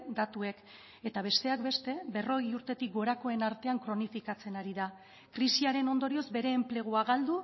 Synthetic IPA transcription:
d̪at̪ue̞k | e̞t̪aβ̞e̞st̪e̞akbe̞st̪e̞be̞ro̞ɣ̞iuɾt̪e̞t̪ik̚ɡo̞ɾako̞e̞naɾt̪e̞aŋkɾo̞nifikat͡se̞naɾiða | kɾisiaɾe̞no̞nd̪o̞ɾio̞zbe̞ɾe̞ːmple̞ɣ̞uaɣald̪u

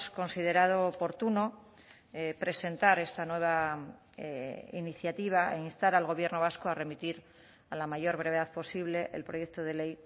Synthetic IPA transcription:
sko̞nsið̞e̞ɾað̞oːpo̞ɾt̪uno̞ | epɾe̞se̞nt̪aɾe̞st̪anwe̞β̞a | iniθjat̪iβ̞aḛinst̪aɾalɣo̞βje̞ɾno̞β̞askoare̞mit̪iɾ | alamaʝo̞ɾβɾeβe̞ðaðpo̞siβle̞ʔḛlpɾo̞je̞k̚t̪oð̞e̞le̞j

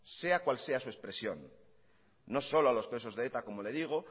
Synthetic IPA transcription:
se̞akwalse̞asue̞spɾe̞sjo̞̰nː | o̞so̞loalo̞spɾe̞s̬o̞zðet̪ako̞mo̞le̞ð̞iɣ̞o̞

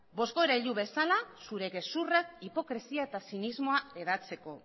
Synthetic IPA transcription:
bo̞sko̞eɾaiʎuβe̞salasuɾe̞ɣe̞surakipo̞kɾe̞siaet̪asinizmo̞ae̞ðat͡se̞ko̞

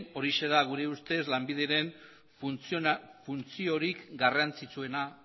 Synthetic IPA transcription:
o̞ɾise̞ðaɣ̞uɾe̞ust̪e̞zlambiðe̞ɾe̞n | funt͡sio̞ɾikɡarant͡sit͡sue̞na

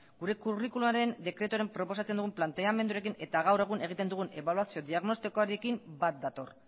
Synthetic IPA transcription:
ɡuɾe̞kurikulumaɾe̞nd̪e̞kɾe̞t̪uaɾempɾo̞po̞sat͡send̪uɣumplant̪e̞ame̞nd̪uɾe̞k̬ine̞t̪aɣawɾe̞ɣ̞une̞ɣ̞it̪e̞nd̪uɣ̞une̞βaluasio̞d̪iaɣno̞st̪ikoaɾie̞kimbat̪̚d̪at̪o̞̰r

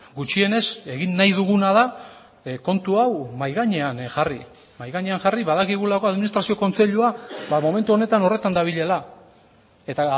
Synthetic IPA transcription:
ɡut͡ʃie̞ne̞se̞ɣinːajðuɣunaða | ko̞nt̪uawmajɣaɲeanʝari | majɣaɲeaŋʝariβaðakiɣulako̞aðminist̪ɾasio̞ko̞nt͡se̞ʎuabamo̞me̞nt̪uo̞ne̞t̪ano̞re̞t̪and̪aβ̞iʎe̞la | e̞t̪a

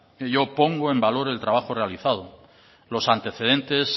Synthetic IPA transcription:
ʝo̞po̞ŋɡoe̞mbalo̞ɾe̞lt̪ɾaβ̞axorealiθað̞o | lo̞sant̪e̞θe̞ð̞e̞nt̪e̞s

